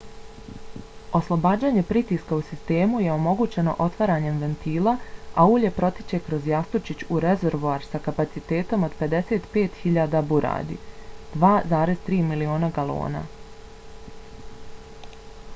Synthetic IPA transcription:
o̞slˠo̞baːd͡ʑaːɲe̞pɾit̪iskausist̪e̞ːmuje̞o̞mo̞ɡuːt͡ɕe̞no̞̰ʔo̞t̪ʋaɾaːɲe̞mʋe̞nt̪iːlˠaauːʎe̞pɾo̞t̪i̥t͡ɕe̞kɾo̞zjast̪ut͡ʃit͡ɕuɾezeɾʋoaɾsakapat̪sit̪e̞ːt̪o̞mo̞d̪pe̞d̪e̞se̞ːt̪pe̞ːt̪xiʎaːd̪abuɾa̰ːd̪ḭd̪ʋaːzaːɾe̞zt̪ɾiːmilio̞ːnaɡalˠo̰ːna̰

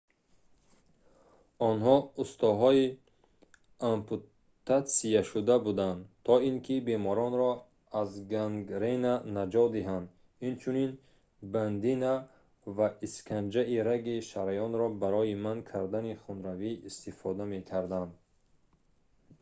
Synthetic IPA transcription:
ɔnɦɔust̪ɔɦɔi | ampʰu | t̪ʰːat̪sijaʃud̪abud̪and̪t̪ʰɔiŋkʰibe̞mɔɾɔnɾɔ | azɡaŋɡɾenanad͡ʒɔd̪iɦand̪ | int͡ʃʰunin | band̪ina | vaiskʰand͡ʒaʔiɾaɡiʃaɾajɔnɾɔbaɾɔimankʰaɾd̪aniχunɾaviːst̪ifɔd̪ame̞kʰaɾd̪and̪

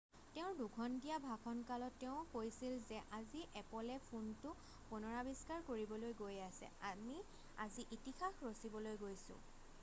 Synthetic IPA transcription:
tɛʊ̃dukʰɔndijabʱakʰɔnkalɔtːɛʊ̃kojsilzɛʔaziʔɛpɔlɛpʰuntʊ | punɔɹabiskaɹkoɹibɔlojɡojasɛ̰ami | a̰ziʔitixaxɹosibɔlojɡojsʊ̰̃

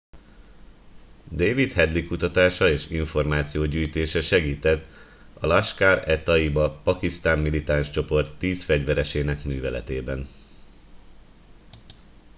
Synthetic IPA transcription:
d̪eːvit̪hɛd̪likut̪ɒt̪aːʃɒeːʃiɱfo̞rmaːt̪sijoːɟyːjt̪eːʃɛʃɛɡiːt̪ɛt̪ː | ɒlɒʃkaːɾɛt̪ɒibɒpɒkist̪aːmːilit̪anʃt͡ʃo̞po̞rt̪ːiːsfɛɟvɛɾɛʃeːnɛkmyːvɛlɛ̰t̪eːbɛn

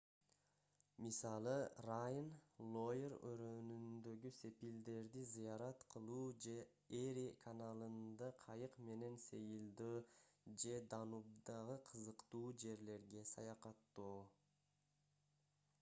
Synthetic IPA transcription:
misɑlˠɯrajnlˠojeɾø̰ɾønynd̪ø̞ɡyse̞pild̪e̞ɾd̪izijɑɾɑt̪qʰɯlˠuːd͡ʒe̞ | eɾikʰanalˠɯnd̪ɑqʰɑjɯqme̞ne̞nsejilˠd̪øːd͡ʒe̞d̪ɑnud̪ɑʁɯqʰɯzɯqt̪uːd͡ʒe̞ɾle̞ɾɡe̞sɑ̰jɑqɑt̪ːuː

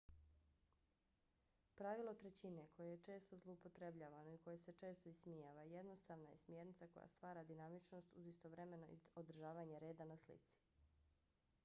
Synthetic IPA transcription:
pɾaʋilˠot̪ɾet͡ɕine̞ko̞jejet͡ʃe̞ːst̪o̞zlˠoupot̪ɾe̞bʎaːʋanoiko̞jese̞t͡ʃe̞ːst̪oismijaːʋajed̪nost̪aːʋnajesmjeɾnit̪sako̞̰ja̰st̪ʋaːɾad̪inamit͡ʃno̞ːst̪uzist̪oʋɾeme̞no̰ḭod̪r̩ʒaːʋaɲe̞ɾe̞ːd̪anaslḭt̪si̥

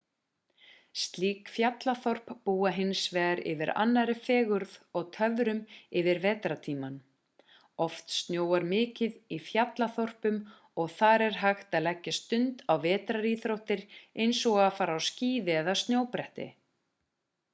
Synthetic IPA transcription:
st̪liːkfjat̪laθɔr̥ppuːaɦɪnsvɛːɣaɾɪ̰vɪɾa̰nːaɾɪfɛːɣʏɾðɔɣt̪ʰœvɾʏmɪvɪɾvɛːt̪ɾat̪ʰiːman | ɔft̪st̪njoːwaɾmɪːcɪðifjat̪laθɔr̥pʏm | ɔɣθaɾɛɾ̥ɦaxt̪aðlɛcːast̪ʏnt̪awvɛːt̪ɾaɾiːθɾowht̪ɪɾejnsɔɣaðfaːɾawsciːvɪɛðast̪njoːwpɾɛht̪ɪ̰

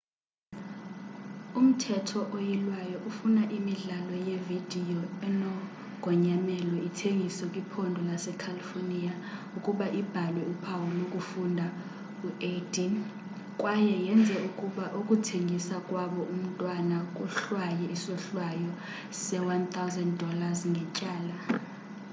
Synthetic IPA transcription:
um̩tʰɛtʰɔʔojilwajɔʔufunaʔimiɮalɔjevid̥ʱijɔɛnɔ | ɡ̥ʱɔɲamɛlɔitʰeŋɡʱisɔkʼipʰondʱɔlasɛkʰalifonia | ukʼuɓaʔib̥ʱalwɛupʰawɔlnokʼufundʱa | uedʰʼi | kʼwajɛjɛnd͡zʱɛukʼuɓaʔukʼutʰeŋɡʱisakʼwaɓɔʔum̩tʼwanakʼuɬwajɛisɔɬwajɔ | sɛwant̪ʰawzɛnddɔlazŋɡʱɛcʼaːla

